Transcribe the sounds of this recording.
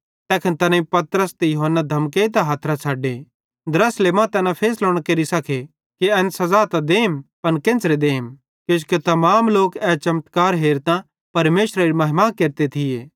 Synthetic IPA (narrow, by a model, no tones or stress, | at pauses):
t̪ɛːkʰənt̪ɐnãĩpɐt̪ɾəst̪ejʊɦənːad̪ʱɐmkeːit̪̬aɦaːt̪ʰɾat͡sʰaːɖe | d̪ɾɐslemãt̪ɛːnãpʰeːsloːɽ̃akeɾisɐkʰe | kiɛːnsɐzaːt̪ad̪eːmpɐnkẽnt͡sɾed̪eːm | kɪd͡ʒket̪ɐmaːmloːkɛːt͡ʃɐmt̪kaːɾɦeːɾt̪ã | pɐɾmeːʃɾaɾimɐɦɪmãkeɾt̪et̪ʰɪjeː